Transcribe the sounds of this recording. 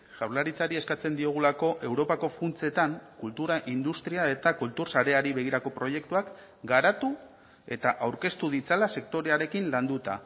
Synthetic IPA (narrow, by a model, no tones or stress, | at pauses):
ʝawɾlaɾit͡saɾie̞skat͡se̞nd̪io̞ɣ̞ulako̞ʔe̞wɾo̞pako̞funt͡se̞t̪aŋkult̪uɾaʔind̪ust̪ɾiae̞t̪akult̪uɾsaɾe̞aɾiβe̞ɣ̞iɾako̞pɾo̞je̞k̚t̪uak | ɡaɾat̪u | e̞t̪aʔawɾke̞st̪uð̞it͡salase̞kt̪o̞ɾe̞aɾe̞kinland̪ut̪a